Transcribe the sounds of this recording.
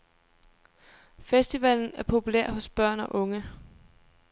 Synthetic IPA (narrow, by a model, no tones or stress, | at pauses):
fesd̥iʋɛl̰n̩æɐpʰo̝pʰulḛɐ̰hɔ̽sb̥ɶɐ̰nɒ̽ʔɔ̽ŋə